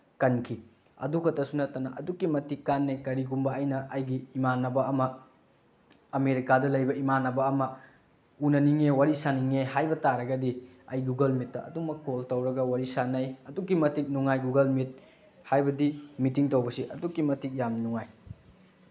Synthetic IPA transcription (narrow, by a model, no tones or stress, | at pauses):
kɐnkʰi | ɐ̰dukʰɐtɐsunɐtɐnɐʔɐdukːimɐtikːanːɐjkɐɾiɡumbɐɐjnɐʔɐjɡiːmanːɐbɐːmɐ | ɐmeɾikadɐlɐjbɐimanːɐbɐːmɐ | unɐniŋewaɾisaniŋeɦajbɐtaɾɐɡɐdiɐjɡuɡɐlmitːɐɐ̰dumɐkːoltɐwɾɐɡɐwaɾisanɐjɐdukːimɐtik̚nuŋajɡuɡɐlmit̚ | hajbɐdimitiŋtɐwbɐsiʔɐdukːimɐtik̚jamnuŋaj